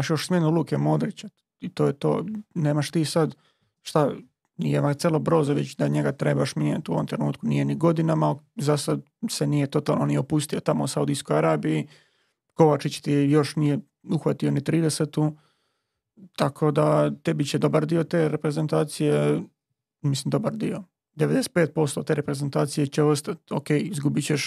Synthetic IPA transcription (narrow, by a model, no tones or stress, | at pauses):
aʃjo̞ʃsmʲenuluːkemoːd̪ɾit͡ɕa | it̪oːjet̪o̰ːneːmaʃt̪iːsad̪ | ʃt̪a | nijemat̪eːlˠobɾo̞ːzaʋet͡ɕd̪aɲeɡat̪ɾebaʃmiɲet̪uo̞ʋomt̪ɾenuːt̪kunije̞niɡo̞d̪inamalzasad̪ | senijet̪o̞t̪aːlˠnoniopust̪iot̪amousaud̪iskojaɾaːbiji | ko̞ʋat͡ʃit͡ɕt̪ijo̞ʃnije | uxʋat̪io̞nit̪ɾiːd̪eset̪u | t̪akʰo̞d̪at̪ebit͡ɕed̪o̞baɾd̪io̞t̪eːɾepɾe̞ze̞nt̪aːt̪sije | mislimd̪o̞baɾd̪io̞ | d̪eʋed̪ese̥t̪̚peːt̪̚po̞st̪oːt̪e̞ːɾepɾezent̪aːt̪sije̞t͡ɕeost̪at̪o̰keːjizɡubit͡ɕeʃ